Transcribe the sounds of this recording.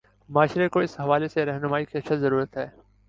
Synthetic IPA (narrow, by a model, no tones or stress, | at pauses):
maːʃɾekoɪsɦɐʋaːleseɾɛɦnʊmaːikiɐt͡ʃʰazɐɾuːɾət̪ɦɛː